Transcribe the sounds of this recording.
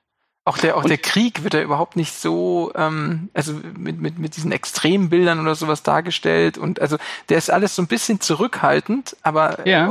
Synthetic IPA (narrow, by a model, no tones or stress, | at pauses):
ʔaʊxd̥eːɐʔaʊxd̥eːɐkʁ̥iːkv̥ɪɐtd̥aːʔyːbɐɦaʊp̚tnɪçtz̥oːʔɛːmʔalzomɪtmɪtmɪt̚d̥iːzn̩ɛ̰kstʁ̥eːmənbɪldɐnʔoːdɐzoːvasd̥a̰ːɐɡəʃtɛ̰ltʊ̰ntʔalzod̥eːɐɪstʔa̰ləsz̥oːnbɪsçənt͡suʁʏkhaltn̩tʔaːbɐja